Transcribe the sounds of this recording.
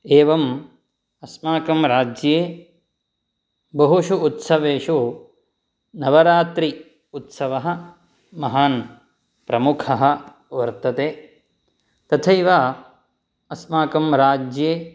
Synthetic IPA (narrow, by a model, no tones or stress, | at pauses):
eːʋɐm | ɐsmaːkɐmɾaːd͡ʒjeː | bɐɦuʃuːt̪sɐʋeːʃu | nɐʋɐɾaːt̪ɾi | ut̪sɐʋɐɦɐ̆ | mɐɦaːn | pɾɐmukʰɐɦɐ̆ | ʋɐɾt̪ɐt̪eː | t̪ɐt̪ʰɐjʋaː | ɐsmaːkɐmɾaːd͡ʒjeː